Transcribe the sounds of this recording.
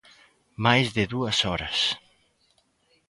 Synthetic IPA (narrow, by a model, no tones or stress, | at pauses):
majzðɪðuɐsɔɾɐs